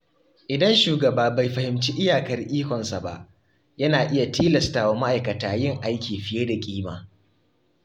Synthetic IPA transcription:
ʔɪ˨dɐ˦nʃuː˨ɡɐ˨baː˦ba˨jɸɐ˨hɪ˨mt͡ʃiː˦ʔɪ˦jaː˨kɐ˦rʔiː˦kʷɔ˨nsa˨ba̰˦ʔ | jɐ˦naː˨ʔɪ˦ja˨tiː˦lɐ˨staː˨waː˦ma˦ʔa˨jkɐ˨taː˨jɪ˦˨ŋʔa˦jkʲiː˨ɸɪ˨jeː˦da˨kʲʼiː˦ma̰ː˨

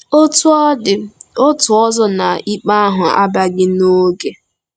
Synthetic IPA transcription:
o˦tdɪ˨o˦tʊ˨ɔ˦zɔ˦na˨i˦k͡pa˦a˦ɦʊ˨a̰˦ba˦ɡɪ˦no˦ɡe˨

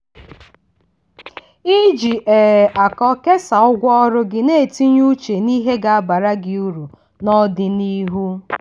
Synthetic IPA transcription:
i˦d͡ʒi˨ʔe˨ʔa˨kɔ˦ke˦sa˨ʊ˦ɡʷɔ˦ɾʊ˦ɡɪ˨ne˦˨ti˦ɲu˦t͡ʃe˨ni˦ɦe˦ɡa˨a˦ba˨ɾa˦ɡɪ˨u˦ɾu˨ | nɔ˦dɪ˨ni˦ɦu˦

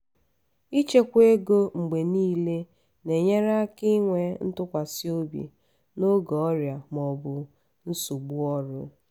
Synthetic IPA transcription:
i˦t͡ʃe˦kʷe˦ɡo˦ŋ͡m̩˨ɡ͡be˨niː˦le˦ | ne˨ɲe˦ɾa˦a˦kɪ˦ŋʷe˨n̩˦tʊ˦kʷa˨si˦o˦bḭ˨ | no˦ɡɔ˨ɔ˦ɾja˨mɔ˨bʊ˨ | n̩˦su˨ɡ͡bu˦ɔ˦ɾʊ˦

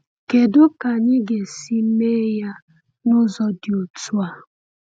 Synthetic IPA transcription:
ke˨dʊ˦ka˨ɲɪ˦ɡe˨si˦me˦ja˦ | nʊ˦zɔ˦dɪ˨o˨tu˦a˨

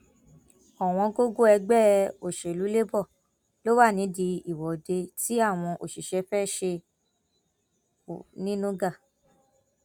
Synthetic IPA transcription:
ɔ˨w̃ɔ̃˧ɡo˦ɡo˦ɛ˧ɡ͡bɛ˦˨o˨ʃe˨lu˨˦le˦bɔ˦˨ | lo˨˦wa˦˨nĩ˨˦di˧i˨wɔ˨de˧ti˨˦a˦˨w̃ɔ̃˧ʔo˨ʃi˨ʃɛ˧fɛ˦ʃe˧˨ | nĩ˦nũ˦ɡa˦˨

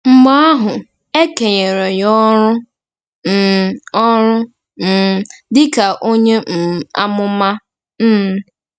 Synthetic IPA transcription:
m̩˦ma˦a˦ɦʊ˨ | e˦ke˨ɲe˨ɾe˨jɔ˦ɾʊ˦ | m̩˨ɔ˦ɾʊ˦ | m̩˨dɪ˦ka˨ʔo˦ɲe˦m̩˨a̰˦mʊ˦ma˦ | m̩ː˦˨

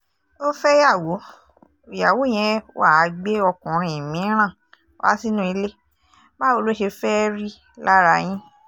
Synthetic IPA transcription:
o˦fɛ˦ja˦˨wo˨˦ | i˨ja˨wo˨˦˨j̃ɛ̃˧˦a˦˨˧ɡ͡be˦ɔ˧kɔ̃˨ɾ̃ĩ˨ĩ˨mĩ˨˦ɾ̃ã˦˨˦ | a̰˦si˦nũ˦i˧˦le˦ | ba˦o˧lo˦ʃe˧fɛ˦ɾi˦ | la˦ɾa˧j̃ĩ˦

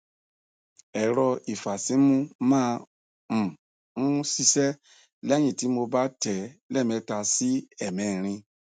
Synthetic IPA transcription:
ɛ˨ɾɔ˧i˨fa˨si˨˦mũ˦mãː˦˧ | m̩̃˨ | ũ˦si˧sɛ˦ | lɛ˦j̃ĩ˦˨ti˨˦mo˧ba˦tɛ˨˦lɛ˦˨mɛ̃˧˦ta˧si˦ɛ˦˨mɛ̃˨ɾ̃ĩ˧

